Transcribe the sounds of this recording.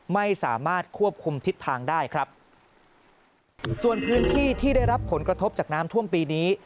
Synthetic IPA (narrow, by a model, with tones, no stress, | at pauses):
ma˥˩jsaː˩˦maː˥˩t̪̚kʰu˥˩əp̚kʰu˧mt̪ʰi˦˥t̪ʰːaː˧ŋdaː˥˩jkʰɾa˦˥p̚ | su˨˩ənpʰɯː˦˥nt̪ʰiː˥˩t̪ʰiː˥˩da˥˩jɾa˦˥pʰːo˩˦nkɾa˧t̪ʰo˦˥p̚t͡ɕaː˨˩k̚naː˦˥mt̪ʰu˥˩əmpiː˧niː˦˥